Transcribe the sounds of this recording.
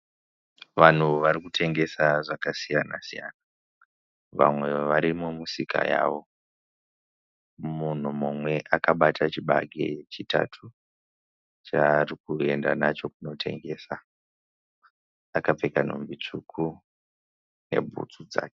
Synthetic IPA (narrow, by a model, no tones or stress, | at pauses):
ʋan̤uʋaɾikutʰe̞ŋɡe̞saʐakasijana̰sija̰na | ʋa̰mwe̞ʋaɾimumusika̰ja̰ːʋo̞ | mun̤umumwe̞ʔakaɓatʰat͡ʃiɓaɡʱet͡ʃita̰tʰu | t͡ʃaːrikue̞ndanat͡ʃo̞kuno̞tʰe̞̰ŋɡe̞ːsa | akap͡fekan̤o̰mbit͡ʂukʰu | ne̞̰bʱṵt͡sud͡za̰ːke̥